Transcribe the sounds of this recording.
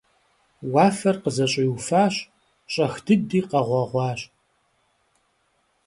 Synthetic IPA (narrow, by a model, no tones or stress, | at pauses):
wɑːfɐrqəzɐɕʼɪjufaːɕ | ɕʼɐxdɨdiːqɐʁʷɑʁʷɑːɕʼ